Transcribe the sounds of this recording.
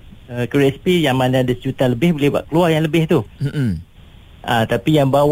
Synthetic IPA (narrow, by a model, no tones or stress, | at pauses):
əkəɾɛspijaŋmãndadəst͡ʃut̪aləbɪhbolehba̰ʔkəluajaŋləbɪht̪u | ʔã̰t̪apijaŋbaw